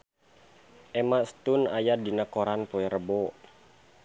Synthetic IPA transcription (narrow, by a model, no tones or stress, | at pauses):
ʔɛmasə̥t̪unajadinakoɾanpoɛɾəbɔ